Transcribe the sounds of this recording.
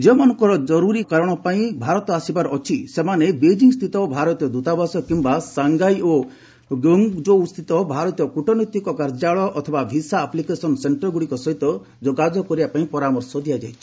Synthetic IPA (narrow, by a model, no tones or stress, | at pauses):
d͡ʒemɔnɔ̃ŋkɔɾɔd͡ʒɔɾuɾikaɾɔɽ̃ɔpaĩbʱaɾɔt̪ɔasibaɾɔɔt͡ʃʰisemanebed͡ʒiŋst̪ʰit̪ɔbʱaɾɔt̪ijɔd̪ut̪abasɔkimbasaŋɡajo | ɡɔŋd͡ʒoust̪ʰit̪ɔbʱaɾɔt̪ijɔkuʈɔnɔt̪ikɔkaɾd͡ʒaɭɔʔɔt̪ʰɔbabʱisaːplikesɔnseɳʈɾɔɡuɽikɔsɔɦit̪ɔ | d͡ʒɔɡad͡ʒɔkɔɾibapaĩpɔɾamɔɾsɔd̪ʱiad͡ʒajt͡ʃʰi̥